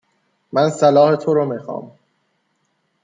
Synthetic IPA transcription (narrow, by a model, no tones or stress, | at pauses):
mænsælɒːhet̪ʰoɾomixɒ̰ːm